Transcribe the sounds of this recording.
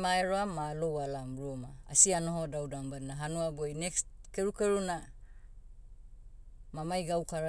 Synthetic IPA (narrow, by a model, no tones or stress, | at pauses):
maeɾoamːalowalamɾuomaa̰sianoɦodawdambaninaɦanuabojnekskeɾukeɾuna | mamajɡawkaɾa